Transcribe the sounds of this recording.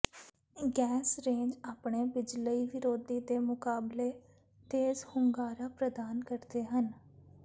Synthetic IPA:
ɡɛːsɾẽːd͡ʒaːpɳeːbɪd͡ʒləiːʋɪɾoːd̪iːd̪eːmʊkaːbleː | t̪eːzhʊŋɡaːɾaːpɾəd̪aːnkəɾd̪eːɦən

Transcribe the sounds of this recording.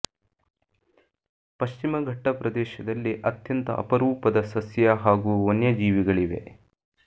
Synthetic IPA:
pɐʃt͡ʃimɐɡʱɐʈːɐpɾɐd̪ɛːʃɐd̪ɐlːiʔɐt̪jɐnt̪ɐ̰ʔɐ̰pɐɾuːpɐd̪ɐsɐsjɐɦaːɡuːonjɐd͡ʒiːʋiɡɐɭiʋe̞̰

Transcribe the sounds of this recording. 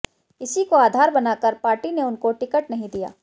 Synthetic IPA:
ɪsikoaːd̪ʱaːɾbɐnaːkəɾpaːɾʈineʊnkoʈɪkəʈnɐɦĩd̪ija̰ː

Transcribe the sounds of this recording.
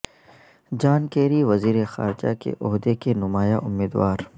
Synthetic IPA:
d͡ʒaːnkeːɾiʋɐziːɾexa̰ːɾd͡ʒa̰kḛʔɔɦd̪ekenʊmaːjaʔʊmːiːd̪waːɾ

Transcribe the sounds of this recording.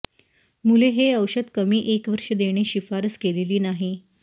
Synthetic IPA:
muleɦeəwɕəd̪kəmiːʔekʋəɾʂəd̪eɽ̃eɕifaɾəskeliliːnaɦi

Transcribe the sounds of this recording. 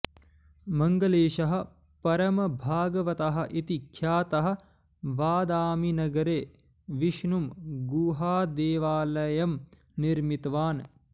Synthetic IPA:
mɐŋɡɐleːʃɐɦɐ̆ | pɐɾɐmɐbʱaːɡɐʋɐt̪ɐɦɐ̆ʔit̪ikʰːjaːt̪ɐɦɐ̆ | baːd̪aːminɐɡɐɾeː | ʋiʃnumɡuːɦaːd̪eːʋaːlɐjɐm | niɾmit̪ʋaːn

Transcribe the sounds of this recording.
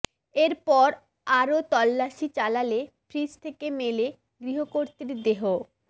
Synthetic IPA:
eɾpɔɾ | aɾot̪ɔlːaʃit͡ɕalalepʰɾist̪ʰekemele | ɡɾiɦokoɾt̪iɾd̪eɦo

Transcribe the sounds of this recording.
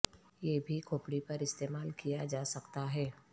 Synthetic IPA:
jeːbʱikʰoːpɽipɐɾɪst̪eːmaːlkijad͡ʒaːsɐkt̪aɦɛː

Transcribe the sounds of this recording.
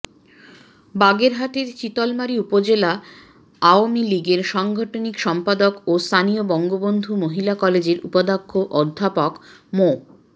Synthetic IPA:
baɡeɾɦaʈeɾt͡ɕit̪ɔlmaɾiupod͡ʑela | aoamiliɡeɾʃɔŋɡʱɔʈonikʃɔmpad̪okost̪ʰaniobɔŋɡobond̪ʱumoɦilakɔled͡ʑeɾupod̪akʰːoʔɔd̪ʱːapokmo

